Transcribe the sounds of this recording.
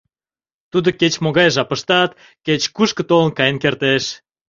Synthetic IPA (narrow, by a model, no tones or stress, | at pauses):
t̪ud̪oket͡ɕmoɣɑjʒɑpəʃt̪ɑt̪̚ | ket͡ɕkuʃkə̆t̪olə̆nkɑjənkert̪eʃ